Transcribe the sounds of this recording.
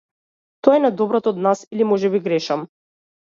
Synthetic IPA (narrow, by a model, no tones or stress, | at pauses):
t̪ɔɛnad̪ɔbɾɔt̪ɔd̪nasilimɔʒɛbiɡɾɛʃam